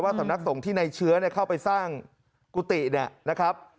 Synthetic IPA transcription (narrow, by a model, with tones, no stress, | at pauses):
waː˥˩sa˩˦na˦˥k̚so˩˦ŋt̪ʰiː˥˩na˧jt͡ɕʰɯ˦˥ɐni˥˩ɐkʰa˥˩wpa˧jsaː˥˩ŋ | ku˧˩t̪i˨˩ni˥˩ɐna˦˥kʰa˦˥p̚